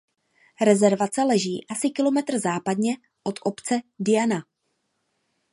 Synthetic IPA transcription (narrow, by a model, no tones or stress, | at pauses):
ɾɛzɛɾvat͡sɛlɛʒiːʔasɪkɪlo̞mɛt̪r̩zaːpadɲɛ | ʔo̞t̪ʔo̞pt͡sɛdɪjana